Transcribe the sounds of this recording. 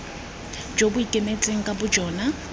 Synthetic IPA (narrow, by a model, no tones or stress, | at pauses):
d͡ʒobʊikʼemet͡sʼeŋ̩kʼabʊd͡ʒʱɔːna